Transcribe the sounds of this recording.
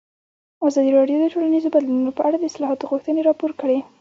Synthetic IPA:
azɑd̪iɾɑɖjod̪əʈolanizobad̪lununopəʔaɽad̪əɪslɑɦɑt̪oɣuxt̪əneɾɑpoɾkəɽe

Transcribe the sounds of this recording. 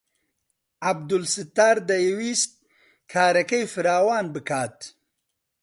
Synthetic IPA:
ab̚d̪ʊlsɪt̪aːɾd̪ɐjewist̪̚ | kʰaːɾɐkəjfɨɾɑːwɑːnbɨkʰaːt̪

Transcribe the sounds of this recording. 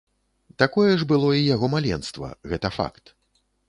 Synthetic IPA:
t̪akɔjɛʐbɨlˠɔijaɣɔmalʲɛnst̪vɐ̰ɣɛt̪ɐfa̰kt̪

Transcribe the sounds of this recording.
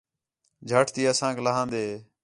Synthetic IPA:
d͡ʒʱəʈʰt̪iːəsãːkləɦãːnd̪eː

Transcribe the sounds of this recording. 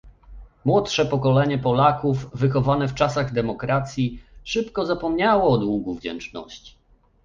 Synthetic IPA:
mwɔtʂɛpɔkɔlɛɲɛpɔlakuvːɘxɔvanɛft͡ʂasaɣd̪ɛmɔkɾat̪sʲjiʂɘpkɔzapɔmɲawɔːd̪wuɡuvd͡ʑɛ̰nt͡ʂnɔ̰ɕt͡ɕi̥

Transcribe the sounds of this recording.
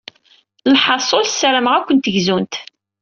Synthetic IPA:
lħɑsˤolsːæɾəmʁækʷːənt̪əʝzunt̪

